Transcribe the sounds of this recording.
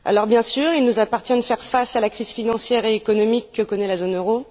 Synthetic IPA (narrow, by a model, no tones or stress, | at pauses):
a̰lɔʁbjɛ̃syːʁilnuzapaʁt̪jɛ̃d̪əfɛʁfasalakχiz̥finɑ̃sjɛʁeːkɔnɔmikːəkɔnɛlazonøʁo